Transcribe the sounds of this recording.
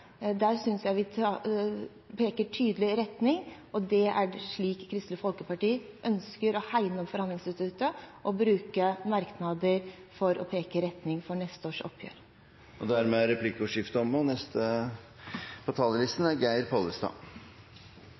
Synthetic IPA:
d̪æːɾsʏnsjæɪʋɪɑ | pʰeːkəʈʰyːd̪əlɪɾɛt̪nɪŋ | ɔd̪ɛʔæɖʂɭiːkkʰːɾɪst̪ləfɔlkəpɑʈiːʔœnskəɾɔhæɪnəɔmfɔɾhɑnlɪŋsɪst̪ʉt̪əʔɔbɾʉːkəmɑɾknɑd̪əɾfɔɾʔɔ̰pʰeːkəɾɛt̪nɪŋfɔɳɛst̪əoːʂɔ̰pʰːjø̰ːɾ | ʔɔd̪æɾmeːɾɛpʰlɪkəʊʂɪft̪əɔmɔnɛst̪ə | pʰɔt̪ʰɑːləlɪst̪n̩æɡæɪɾpʰɔləst̪ɑ̰ː

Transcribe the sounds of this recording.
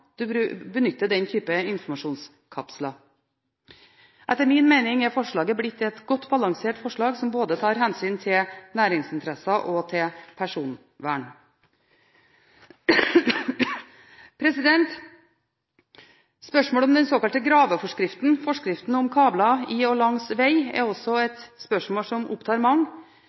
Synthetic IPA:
d̪̥ʉɾbənʏt̪ːəɖ̪ɛnt̪ʰyːpəɪnfɔɾmɑʂuːns | kʰɑpslɑ | ʔɛt̪ːəɾmɪnmeɪnɪŋæɾfɔʂɭɑːɡəblɪt̪ːɛt̪ɡɔt̪ːbɑlɑŋseːʈfɔʂɭɑːɡsɔmboːd̪ət̪ʰɑːɾhɛnsyːnt̪ʰɪlnæːɾɪŋsɪnt̪ʰɾɛsɑʔɔt̪ʰɪlpʰæʂuːn | ʋæːɳ | pʰɾɛsɪd̪ɛnt̪ | spœʂmoːlɔmd̪ɛnsoːkɑlt̪əɡɾɑːʋəfɔʂkɾɪft̪nfɔʂkɾɪft̪n̩ɔmkʰɑːblɑɪɔlɑŋsʋæɪɛ̰ɾɔsɔɛt̪spœʂmoːsɔmʔʊ̰pt̪ʰɑːɾmɑŋː

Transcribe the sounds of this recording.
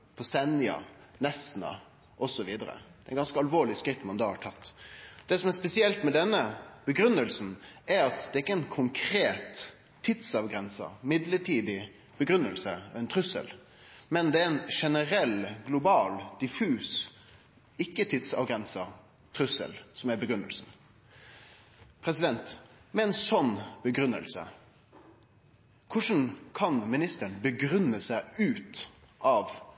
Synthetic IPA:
pʰɔsɛnɪɑ̰nɛst̪nɑ̰ | ʔɔsɔʋiːd̪əɾə̰d̪̥ɛɛɪnɡɑnskəɑlʋoːɭɪskɾɪt̪ːmɑnd̪ɑːhɑʈʰɑt̪ːd̪̥ɛsɔmɛspɛsɪɛlt̪mɛd̪ɛnːəb̥əɡɾʉnːəlsn̩ɛɾɑt̪d̪ɛɾɪkːəɛnkʰʊŋkʰɾeːt̪ʰː | ɪt̪sɑʋɡɾɛnsə̰mɪd̪ləʈʰiːd̪ɪ | b̥əɡɾʉnːəlsəɛnt̪ʰɾʉsə̰l | mɛnd̪ɛæɾɛnʂɛnəɾɛlɡlʊbɑːld̪̥ɪfʉːs | ɪkːət̪ʰɪt̪sɑ̰ʋɡɾɛnsə | t̪ʰɾʉsːə̰lsɔmæbəɡɾʉnːə̰lsn̩ | pʰɾɛsɪd̪ɛnt̪mɛɛnsɔnːbəɡɾʉnːə̰lsə̰ | kʰʊʂn̩kʰɑnmɪnɪst̪əɳbəɡɾʉnːəsæɪʉːt̪ | ʔɑʋ

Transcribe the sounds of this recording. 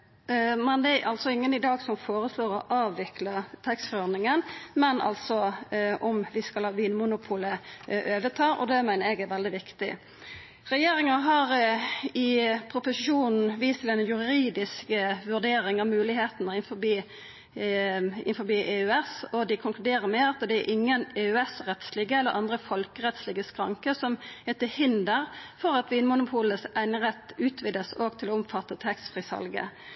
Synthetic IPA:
mɛnd̪ɛɛʔɑlt̪sɔɪŋːənɪd̪ɑːɡsɔmfoːɾəsloːɾɔʔɑːʋʋɪklət̪ʰɛkst̪fɾɔʁnɪŋənmɛnʔɑ̰lt̪sɔʔɔmʋɪskɑlʋiːnmʊnʊpʰuːləʔøːʋət̪ʰɑːʔɔ̰d̪ɛmæɪnəɾɛɡɛɾʋɛld̪ɪʋɪkt̪ɪ̰ | ɾɛjeːɾɪŋɑɦɑɾɪpʰɾʊpʊsɪʃuːnn̩ʋiːst̪ʰɪlænjʉɾiːd̪ɪskəʋʉʁd̪eːʁɪŋɑʋmʉːlɪheːt̪nəɪnfɔbiː | ɪ̰nfɔbiːʔeːʉɛsɔd̪ɪkʰʊŋklʉd̪eːɾəɾmɛɑt̪d̪ɛːɾʔɪŋːəneːʉɛsʁɛt̪slɪɡəɛlːə̰ɾʔɑnd̪ʁəfɔlkəʁɛt̪slɪːɡəskʁɑ̰ŋkəsɔmhɛt̪əhɪnd̪əʁfɔʁɑt̪ʋiːnmʊnʊpʰuːləsæɪnəʁɛt̪ːʉːt̪ʰʋɪd̪əsoːɡt̪ʰɪloːʊmfɑt̪ːət̪ʰɛkst̪fʁiːsɑ̰lɡə̰

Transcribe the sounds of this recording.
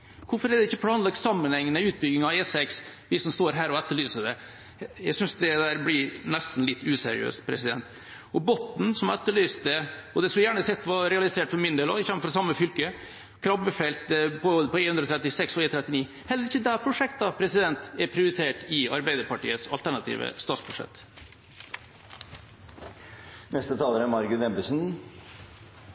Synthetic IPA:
kʊɾfɔɾɛd̪ɛɪçːəpʰlɑːnlɑɡ̪sɑmːənɛŋːənəʉːt̪̚bʏɡɪŋɑɛsɛksʋɪsːɔmst̪oːɾɦæːɾɔɛt̪ːəɭyːsəd̪ɛ | jæɪsʏnsd̪ɛd̪æːɾblɪnɛst̪n̩lɪt̪ːʉːsɛ̰ɾɪ̰ø̰ːst̪pʰɾɛ̰sɪd̪ɛ̰nt̪ | ɔbɔt̪ːn̩sɔmɛt̪ːəɭyːst̪d̪ɛɔd̪ɛsljæːɳəsɛt̪ːʋɑɾɛɑlɪseːʈfɔɾmɪnd̪eːlɔɪst̪ɛməfɾɔsɑmːəfʏlkə | kʰɾɑbəfɛlt̪pʰɔpɔenhʉnd̪ɾɔt̪ʰɾɛt̪ːɪsɛksɔeːt̪ɾɛt̪ːɪniː | hɛlːəɾɪçːəd̪æpʰɾʊʂɛk̚t̪ɑpʰɾɛsɪd̪ɛnt̪ɛɾpʰɾɪʊɾɪt̪ʰeːʈɪɑɾbæɪd̪əɾpɑʈḭːəsɑlt̪ʰæɳɑt̪ʰḭːʋə̰st̪ɑːt̪sbʉʂɛ̰t̪ː | nɛst̪ət̪ʰɑːləɾəmɑɾɡʉt̪ɛmbəsn̩

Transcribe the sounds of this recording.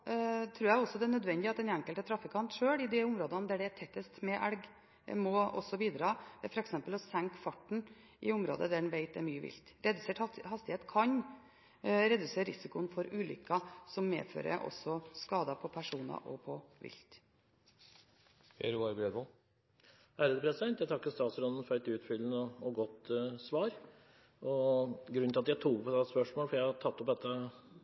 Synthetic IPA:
t̪ʰɾʉːɾjɛɡɔsɔd̪ɛænœd̪ʋɛnd̪ɪɑt̪̚d̪ɛnæŋkəlt̪ət̪ʰɾɑfɪkʰɑnt̪ʂøːɭɪd̪ɛʊmɾoːd̪ɑnd̪æɖɛt̪ʰɛt̪ːəst̪mɛʔæ̰lɡ̰ | mɔɔ̰sɔbiːd̪ɾɑːʋɛfɔɾɛksɛmpəlɔsæŋkfɑʈɳ̩ | ʔɪʊmɾo̰ːd̪əd̪æɖɛnʋeɪt̪̚d̪ɛɾmyːəʋɪ̰lt̪ɾɛd̪ʉseːʈhɑst̪ɪheːt̪kʰɑɲ | ɾɛd̪ʉseːɾɾɪsɪkʊənfɔɾʉːlʏ̰kːɑsɔmːḛːfø̰ːɾə̰ʔɔ̰sɔskɑːd̪ɑpʰɔpʰæʂuːnɑ̰ʔɔ̰pʰɔʋɪ̰lt̪ | ɛ̰ɾɑɾbɾeːd̪ʋɔl | hæɾəd̪əpʰɾɛsɪd̪ɛnt̪jæɪt̪ɑkːəst̪ɑːt̪sɾɔnd̪ən̩fɔɾɛt̪ʉːt̪fʏlnəɔɔɡɔt̪ːsʋɑːɾ | ɔɡɾʉnɪlɑt̪jæɪt̪ʰuːʋɔspœʂmoːlfɔɾjæɪhɑt̪ʰɑt̪ːɔpd̪ɛt̪ːə

